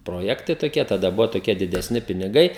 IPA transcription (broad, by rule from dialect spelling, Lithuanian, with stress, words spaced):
proːˈjæːktɐɪ toːˈkʲiɛ tɐˈdɐ ˈbʊʋoː toːˈkʲiɛ dʲɪdʲɛˈsʲnʲɪ pʲɪnʲɪˈɡɐɪ